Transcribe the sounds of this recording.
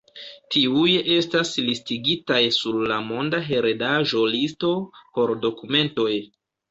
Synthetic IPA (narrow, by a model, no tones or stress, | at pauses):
tʰiujʔe̞staslistiɡitajsuɾlamo̞ndaɦe̞ɾedaʒo̞listo̞po̞ɾdo̞kume̞nto̞j